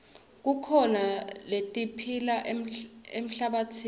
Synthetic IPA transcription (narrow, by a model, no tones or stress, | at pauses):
k̬ukʰɔnaletʼipʰilaʔem̩ɬaɓatʰi